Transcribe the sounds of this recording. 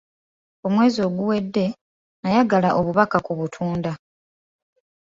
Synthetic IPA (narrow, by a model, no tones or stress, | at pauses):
o̞mwe̞ːzio̞ːɡuwe̞dːe̞ | najaɡalaʔo̞βuβakakuβutʰuːnda